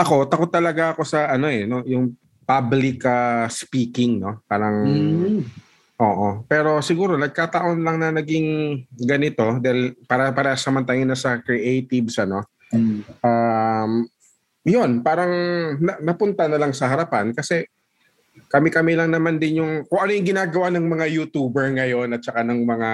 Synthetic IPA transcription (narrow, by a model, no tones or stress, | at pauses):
ʔɐko̞t̪ːɐko̞t̪ːɐlɐɡaʔɐko̞sɐʔɐno̞ʔɛno̞jʊŋ | pablɪkɐspiːkɪŋno̞paːɾɐŋ | ʔo̞ːʔopɛːɾo̞sɪɡuːɾo̞nɐɡ̚kaːt̪ɐʔo̞nlɐŋnɐnɐɡɪŋɡɐnɪt̪o̞d̪aːhɪlpaːɾɐpɐɾɐsɐmɐnt̪ajonɐsɐkɹɪʔejt̪ɪbsɐno̞ | ʔam | jo̞npaːɾɐŋnɐnɐpʊnt̪anɐlaŋsɐɦɐɾɐpankɐsɛ | kɐmɛkɐmilɐŋnɐmand̪ɪnjʊŋkʊŋʔɐnojʊŋɡɪnaːɡɐwanɐŋmɐŋajut̪uːbɛɹŋɐjo̞nɐt̪̚t͡ʃɐkanɐŋmɐŋa